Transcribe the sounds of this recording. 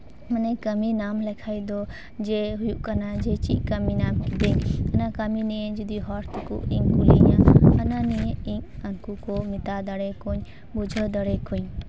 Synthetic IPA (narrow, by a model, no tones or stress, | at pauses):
mənekəminamlɛkʰajd̪ɔ | d͡ʒɛɦujuʔkanad͡ʒɛt͡ʃḭʔ̚kəminamkid̪ɛɲɐnakaminɛjed͡ʒud̪iɦɔɾt̪ʰkṵʔiɲkulḭɲaːnanijeiɲaŋkukɔmit̪ad̪əɽɛkɔɲ | bud͡ʒʱəd̪əɽɛkuɲ